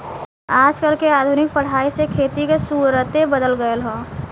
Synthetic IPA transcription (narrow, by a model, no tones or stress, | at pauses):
aːd͡ʒkəɾkeaːd̪ʱunɪk̚pəɽ̤aːisekʰeːt̪ikesuːɾət̪ebəd̪əlɡəelɦoː